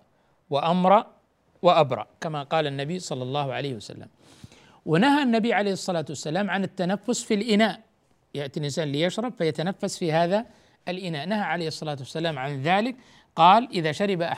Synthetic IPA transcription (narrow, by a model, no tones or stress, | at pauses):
wɪʔamɾˤɑ | wɪʔabɾˤɑ̰ʔkamaqɑːlanːabisˤɑlːɑlˤːɑːhʕa̰leːhwasa̰lːa̰m | wɪnahanːabijʕalejhɨsˤːɑlaːt̪wasːalaːmʕanɪt̪ːanafːʊsfilʔɪnaːʔ | jaʔt̪ilʔɪnsaːnɪlːijaʃɾˤɑbfajat̪anafːasfihaːða | ɪlʔɪnaːʔnaɦaʕalejːhɨsˤːɑlaːt̪wasːalaːmʕanðaːlɪk | qɑːlʔɪðaʃaɾɪbaʔa